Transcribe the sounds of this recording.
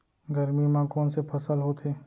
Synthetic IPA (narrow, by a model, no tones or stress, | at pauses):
ɡɐɾmimãkɔːnsepʰɐsəlɦoːt̪ʰeː